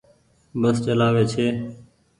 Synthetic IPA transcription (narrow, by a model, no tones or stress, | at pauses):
bəst͡ʃəlaːʋeːt͡ʃʰeː